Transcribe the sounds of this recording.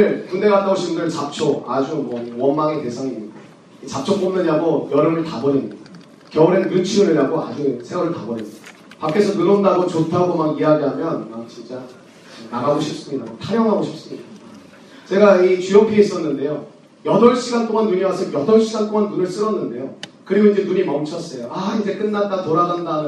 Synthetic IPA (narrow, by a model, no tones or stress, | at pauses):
ɯɭpunde̞ɡat͈aoɕʰimudɯɭt͡ɕap̚t͡ɕʰoad͡ʑumwʌwʌnmaŋete̞sʰaŋiɲːida | it͡ɕap̚t͡ɕʰʌkp͈ʌmnɯɲaɡojʌɾɯŋɯɭtabʌɾinɲida | kjʌuɾenɡɯnt͡ɕʰuɯɾiɾaɡoa̰d͡ʑusʰeŋɡwaɾɯɭtabʌɾimid̥a | pak͈e̞sʰʌnɯɾʌndaɡot͡ɕotʰaɡomakiɦadjamjʌnmak̚t͡ɕint͡ɕ͈a | naɡaɡoɕʰip̚s͈ɯɲidamaktʰaɾjʌŋɦaɡoɕʰi̥p̚s͈ɯmɲida | t͡ɕe̞ɡait͡ɕiʌpʰis͈ʌnːɯnde̞jo | jʌdʌɭɕʰiɡant͈oŋanːuɲiwasʰʌjʌdʌɭɕ͈ʰiɡant͈oŋanːunɯɭs͈ɯɾʌnːɯnde̞jokɯɾimʌnid͡ʑe̞nuɲimʌmt͡ɕʰʌs͈ʌjoaind͡ʑe̞k͈ɯnːadatoɾaɡandanɯ